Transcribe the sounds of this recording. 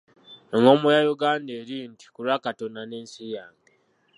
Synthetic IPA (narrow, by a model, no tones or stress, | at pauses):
eŋɡomujajuɡaːndeːɾiːnti̥kuɾwakatonaneːnsijaːŋɡe